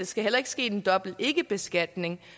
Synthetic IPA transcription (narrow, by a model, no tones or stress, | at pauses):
esɡ̥æɦel̰ɐe̝ɡ̥sɡ̥e̝̰ːe̝nd̥ɒ̽b̥l̩e̝ɡ̥əb̥e̝sɡ̥æd̥ne̝ŋ